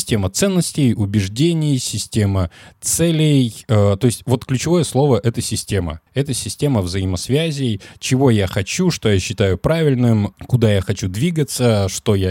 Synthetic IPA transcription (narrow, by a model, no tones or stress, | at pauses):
sʲtʲe̞mət̪sɛnːəsʲtʲɪjʊbʲɪʐdʲenʲɪjsʲɪsʲtʲemət̪sɛlʲɪjət̪o̞ɪsʲtʲvo̞t̪klʲʉt͡ɕɪvo̞jəslˠo̞vəʔɛt̪əsʲɪsʲtʲe̞mə̰ɛt̪əsʲɪsʲtʲe̞məvzəɪməsvʲæzʲɪjt͡ɕɪvo̞jaxɐt͡ɕuʂt̪o̞jaɕːɪt̪ajʊpɾavʲɪlʲnɨmkʊd̪ajaxɐt͡ɕud̪vʲiɡət̪səʂt̪o̞ja